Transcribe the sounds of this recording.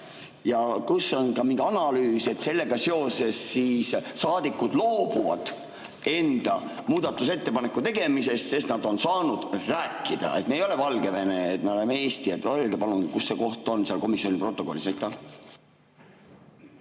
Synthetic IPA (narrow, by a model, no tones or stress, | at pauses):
jɑkusːo̞nkɑmiŋɡ̥eɑnɑlyːse̞t̪se̞lːe̞ɡ̥ɑse̞o̞se̞sːiːssɑːd̪̥ikːˑud̪̥lo̞ːbuvɑ̰d̪̥ | e̞nd̪̥ɑmuːd̪̥ɑt̪ːˑus̬e̞t̪ːe̞pɑne̞kːˑut̪e̞ɡ̥e̞mise̞st̪se̞snɑd̪̥o̞nsɑːnud̪̥ræːkˑːid̪̥ɑ̰e̞̰t̪meejo̞le̞vɑlɡ̥e̞ve̞neːt̪meo̞lemee̞ːst̪iet̪ːolʲɡepɑluŋɡ̥ikusːeko̞ht̪ˑo̞nseɑlko̞misio̞nʲipro̞t̪ːˑo̞ko̞lːisejt̪ˑːɑ